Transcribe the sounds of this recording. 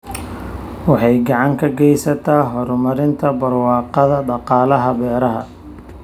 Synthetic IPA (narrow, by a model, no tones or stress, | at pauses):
wɑħɑjɡɑʕɑŋkʰɐɡɛjsɐt̪ʰaːɦɔɾmɐɾɪnt̪ʰɐbɐrwɑːqɑðɐɖɑqɑːlɐɦɐbɛːɾɐɦɐ̰